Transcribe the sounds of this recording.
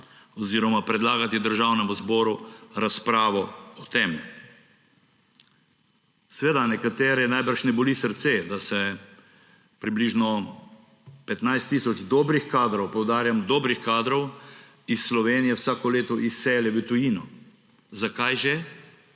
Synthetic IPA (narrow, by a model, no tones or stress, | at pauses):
ɔziːɾɔmapɾɛd̪laːɡat̪id̪əɾʒawnɛmuzbɔːɾuɾaspɾaːʋɔɔt̪em | sɛʋeːd̪anɛkat̪eːɾɛnajbəɾʃnɛbɔlisəɾt̪sed̪asɛ | pɾibliʒnɔ | pɛt̪najst̪ːiːsɔd͡ʒd̪ɔːbɾixkaːd̪ɾɔwpɔwd̪aːɾjamd̪ɔːbɾixkaːd̪ɾɔw | isːlɔʋeːnijɛwsaːkɔleːt̪ɔʔisːɛlɛʋət̪ujinɔ | zakajʒɛ